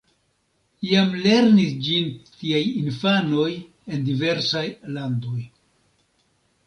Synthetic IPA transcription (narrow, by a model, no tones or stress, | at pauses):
ijamle̞ɾnisd͡ʒintiajinfano̞j | e̞ndive̞ɾsajlando̞j